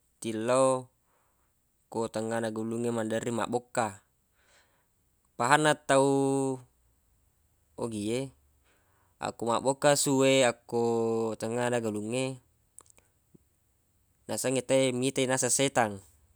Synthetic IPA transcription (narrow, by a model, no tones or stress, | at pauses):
t̪ilːo | kot̪aŋːanaɡuluŋːemandarima̰ʔbokːa | paɦanːat̪ːau | oɡie | a̰kumaʔbokːasuweakːot̪aŋːanaɡaluŋːe | nasaŋet̪aemit̪ainasaset̪aŋ